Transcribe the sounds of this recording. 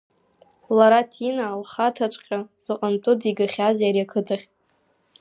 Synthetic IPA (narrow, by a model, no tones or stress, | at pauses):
laɾatʰinaːlχatʰat͡ʃʷʼqʲʼaz̥ɨqʼantʼʊdiɡaχʲazjaɾiakʰɨdʰaχʲ